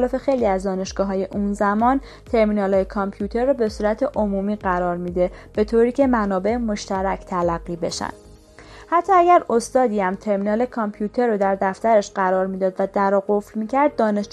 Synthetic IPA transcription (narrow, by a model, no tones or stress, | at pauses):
lɒːfe̞xejliːæzd̪ɒːne̞ʃɡ̥ɒːɦɒːje̞ʔunzæmɒːn | t̪ʰe̞ɾmiːnɒːlɒːjekʰɒmpʰjut̪ʰe̞ɾːɒːbe̞suːɾæt̪ʰe̞ʔomuːmiːɢæɾɒːɾmiːd̪e̞b̥e̞t̪ʰoːɾiːcʰe̞mænɒːbe̞ʔemoʃt̪æɾæct̪ʰælæɣːiːbe̞̰ʃæ̰nd̪̥ | hæt̪ʰːɒːæɟæɾost̪ɒːd̪iːæmt̪ʰe̞ɾmiːnɒːlekʰɒmpʰjuːt̪ʰe̞ɾːod̪æɾd̪æft̪æɾeʃɢæɾɒːɾmiːd̪ɒːd̪væd̪æɾɒːɡo̞fɾmiːcʰæɾd̪̚ːɒːne̞ʃ